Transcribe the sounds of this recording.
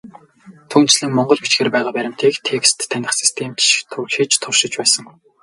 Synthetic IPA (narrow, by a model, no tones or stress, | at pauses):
t̪ʰuːn̥t͡ɕɮɘ̆ŋmɔɴɢɞ̆ɮpet͡ɕɡeːrpæːʁaːpæɾʲɪ̆m̥t̪ʰeːkt̪ʰekst̪ʰːænʲɪ̆χsi̥st̪ʰemt͡ɕʃt̪ʰːʊrʃiːt͡ɕt̪ʰʊrʃɪ̆t͡ɕpæːsə̆ŋ